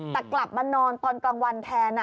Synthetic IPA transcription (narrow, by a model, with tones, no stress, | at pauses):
t̪a˨˩kla˨˩p̚maː˧nɔː˧nt̪ɔː˧nkaː˧ŋwa˧nt̪ʰɛː˧na˧